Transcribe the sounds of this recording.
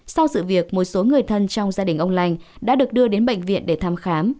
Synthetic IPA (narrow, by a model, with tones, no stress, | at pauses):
sa˧wsɨ̰˧˨vi˨˩ək̚mo˨˩t̚so˨˦ŋɨ˨˩əjt̪ʰə˧nt͡ɕɔ˧wŋ͡mzaː˧ɗï˨˩ŋ̟ʔə˧wŋ͡mla˧jŋ̟ | ɗa̰ː˥ɗɨ˨˩ək̚ɗɨ˧əɗe˨˦nɓə̰˧˨jŋ̟vḭ˧˨ənɗe˧˩t̪ʰaː˧mxaː˨˦m